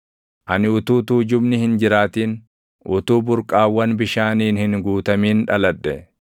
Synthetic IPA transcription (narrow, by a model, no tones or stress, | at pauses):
ʔɐnɪʊt̪uːt̪uːd͡ʒʊbnɪhɪnd͡ʒɪɾaːt̪iːn | ʔʊt̪uːbʊɾkʼaːwːɐnbɪʃaːniːnhɪŋɡuːt̪ɐmiːnᶑɐlɐᶑːɛ